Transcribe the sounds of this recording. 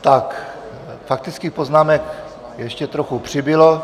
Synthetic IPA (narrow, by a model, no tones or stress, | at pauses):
t̪ak | fak̚t̪ɪt͡skiːpo̞znaːmɛk | jɛʃcɛt̪ɾoxupr̝̥ɪbɪlo